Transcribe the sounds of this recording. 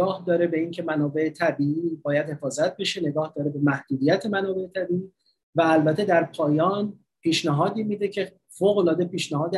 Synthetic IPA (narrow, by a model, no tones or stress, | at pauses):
ɒːhd̪ɒːɾe̞be̞iŋcʰe̞mænɒːbe̞et̪ʰæbiːiːbɒːjæd̪he̞fɒːzæt̪̚ʰbe̞ʃe̞ne̞ɡɒːhd̪ɒːɾe̞be̞mæhd̪̥uːd̪ijæt̪ʰe̞mænɒːbe̞et̪ʰæbiiː | væːlbæt̪ʰːe̞d̪æɾpʰɒːjɒːn | piːʃnæɦɒːd̪iːmiːd̪e̞cʰe̞ | foːɣolɒːd̪e̞piːʃnæhɒːd̪e